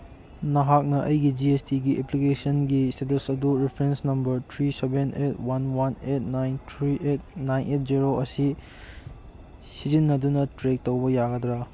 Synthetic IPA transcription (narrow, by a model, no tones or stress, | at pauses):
nɐɦak̚nɐʔɐjɡid͡ʒiestiɡiʔeplikesɐnɡistetɐsɐduɾipʰɾensnɐmbɐɾtʰɾisebenʔet̚ʰwanwanet̚ʰnajntʰɾiʔet̚najnʔet̚ʰziɾoʔɐsi | sizinːɐdunɐtɾek̚towbɐjaɡɐdɾa